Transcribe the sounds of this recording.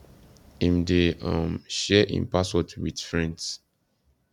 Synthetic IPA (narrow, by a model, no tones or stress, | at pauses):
ĩmdeʌ̃mʃɛʔḭ̃npaswɔtwid̥fɹɛ̃nds